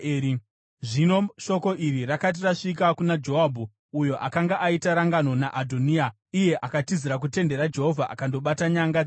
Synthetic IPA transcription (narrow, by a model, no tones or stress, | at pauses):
ʐino̞ʃo̞ko̞ʔirirakat̬iraʂikakunad͡ʒo̞ɦabʱu | ujo̞ʔakaŋɡaʔaitaɾaŋɡano̞naʔadʱonia | ije̞ʔakatiziɾak̬ute̞nde̞ɾad͡ʒe̞ɦo̞vʱaʔa̰kando̞ɓataɲaŋɡa